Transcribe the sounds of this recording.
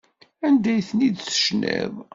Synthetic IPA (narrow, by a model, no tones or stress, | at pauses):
ænd̪æjθənid̪sə̥ʃnæ̰v